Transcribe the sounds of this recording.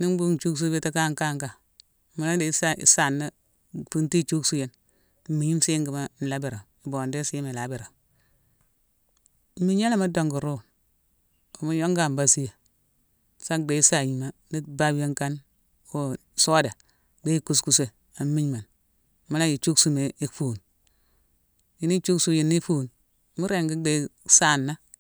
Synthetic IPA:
ni˦n˦bu˦˨t͡ʃu˦ks̬u˦be˦ta˦ka˦˨ŋka˦˨ŋka˨ | ma˨˦la˦de˨˦sa˦ḭ˨sa˨nːa˦ | pu˦nti˦˨t͡ʃu˦ksu˦je˦n̩˨˦ | mi˨ji˦m˦si˦ŋɡi˨ma˦n̩˨la˦bi˨ɾa˨ | i˨bo˨nde˦si˦ji˦mi˨la˨˦bi˨ɾa˨˦ | mi˦ɲa˦la˦ma˦do˨ŋɡu˨ɾu˦˨ | o˨mu˨jo˦ŋɡa˨m˨ba˦si˦je˨ | sa˦de˨˦i˦sa˨ji˨ma˦ni˦ba˦bje˦ŋka˦n | o˨ | so˦da˨ | ɡe˦i˦ku˦s̬ku˨se˦ | a˨˦mi˦ɲma˨n˨ | ma˦la˦ji˨t͡ʃu˦ksu˦me˨i˦fu˨n | ji˨ni˦t͡ʃu˦ksu˦ji˨nːi˦fu˦˨n˦ | mu˦ɾe˦˨ŋɡi˦de˨˦sa˦˨nːa˦

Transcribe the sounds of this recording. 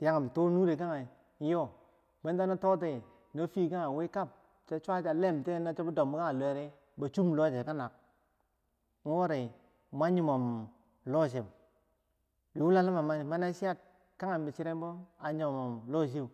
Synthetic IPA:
ti˨ja˦ŋa˨m˨to˦nu˦ɾe˨ka˦ŋa˨˦ | jo˦ | be˦n˦da˦na˦to˦te˦˨ | no˦fi˦ka˦ŋa˨we˦ka˦˨p̚ | t͡ʃa˦t͡ʃʷa˦t͡ʃa˨le˦˨m˨te˦na˦t͡ʃa˦bu˦do˨mu˦ka˦ŋa˨le˨ɾe˦ | ba˨t͡ʃu˦m˨lo˦˨d͡ʒe˨ka˦na˨k̚ | n̩˦wo˦ɾe˨ | ma˦ɲi˦˨mo˨m | lo˦˨ʃ̬e˨m | bi˨wu˦la˦la˦ma˨ma˨˦˨ma˦na˦si˦a˦t̚ | ka˦ŋa˨m˦bi˨t͡ʃi˦ɾe˦mbo˦a˨ɲo˨mo˨mlo˦˨ʃ̬e˦˨

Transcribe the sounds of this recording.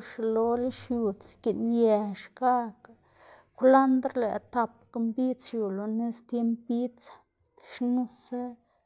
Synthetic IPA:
ʂlo˧li˦ʃju˨t͡ski˨nje˨˧ʂka˦k | kʷla˦nd̪ɾlḛ˨t̪a˧pka˧mbi˦t͡sju˨lo˧ne˦st̪je˦mpbi˦t͡s | ʂnu˦sa˦

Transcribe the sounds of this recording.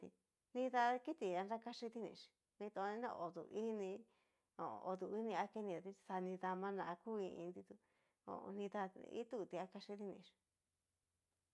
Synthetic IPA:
t̪ḭ˧ | nĩ˧ða˧ki˦t̪i˨a˧nɾa˦ka˦ʂi˧t̪i˦nḭ̃˧ʂi̥˨ | nĩ˧t̪o˧nĩ˧˦nõ̰˧ʔo˨ðṵ˧˨ʔi˦nĩ˧ | o˨˧o˧ðu˧i˦nĩ˧a˧ke˦˧nĩ˧ða˨˧i̥˧sa˧nĩ˧ða˧mã˧nã˧˨a˧ku˦ĩ˧ḭ̃˧nd̪i˧t̪u˧ | o̰˧˨˧nĩ˧ða˧ḭ˦t̪u˦˧˨t̪i˧a˧˦ka˧ʂi˧t̪i˦˧nĩ˧ʂi̥˨

